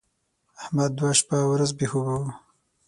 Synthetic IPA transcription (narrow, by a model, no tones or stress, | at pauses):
ahmad̪̚ːwaʃpawɾazbehubaw